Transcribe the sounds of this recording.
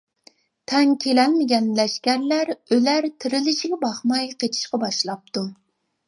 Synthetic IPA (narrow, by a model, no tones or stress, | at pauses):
t̪ʰɛŋkʲʰelɛlmɪɡʲɛnlɛʃkʲæɾlæɾølæɾt̪ʰɪɾɪlɪʃiɡʲɛbɑχmɑjqʰet̪ʰi̥ʃqɑbɑʃlˠɑp̚t̪u